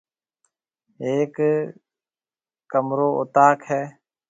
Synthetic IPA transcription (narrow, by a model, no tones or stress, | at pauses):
eːk | kːəmɾoːʔʊ̰t̪aːkɦɛː